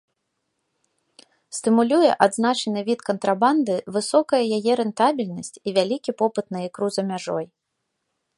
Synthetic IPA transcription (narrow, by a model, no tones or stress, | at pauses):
st̪ɨmulʲujɛʔad̪znat͡ʂɐnɨvʲit̪kɐnt̪ɾaband̪ɨvɨsɔkɐjɐjajɛɾɛnt̪abʲilʲnɐsʲt͡sʲivʲalʲikʲipɔpɨt̪nɐikɾuzɐmʲaʐɔ̰j